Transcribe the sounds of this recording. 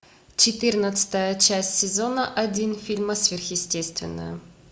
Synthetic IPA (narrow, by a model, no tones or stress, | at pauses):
t͡ɕɪt̪ɨrnət̪sɨ̥t̪əjət͡ɕæsʲtʲsʲɪzonəʔɐdʲinfʲilʲməsvʲɪrxjɪsʲtʲest̪vʲɪ̰nːə̰jə